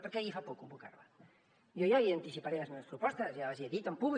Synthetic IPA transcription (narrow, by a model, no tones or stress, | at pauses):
poɾkeaifapokumbuka̰rβa | jojaiant̪isipaɾelazmeɐspɾupɔst̪ɐsjaaziaðit̪ampuβl